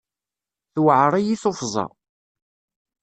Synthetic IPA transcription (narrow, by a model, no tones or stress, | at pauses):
θwəʕɾˤijiθofzˤɑ̰